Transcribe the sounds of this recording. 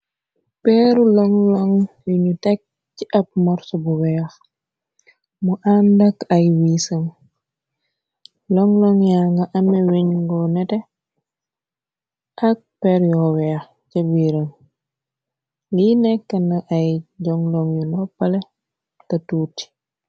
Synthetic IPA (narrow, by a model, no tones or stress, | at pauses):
pɛːɾulɔŋlɔŋjuɲutɛk̚ | ciʔɐp̚mɔɾsɔbuwɛːx | muʔandɐkɐjwiːsɐm | lɔŋlɔŋjaŋɡɐʔɐmɛwiɲɡɔnɛtɛ | ʔɐk̚pɛɾjɔwɛːx | cɐbiːɾɐm | linɛkːɐnɐʔɐjɟɔŋlɔŋjulɔpːɐlɛ | tɐtuːti̥